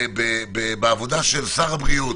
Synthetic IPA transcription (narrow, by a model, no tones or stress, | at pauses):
bebebeavo̞d̪aʃelsaʁabʁiu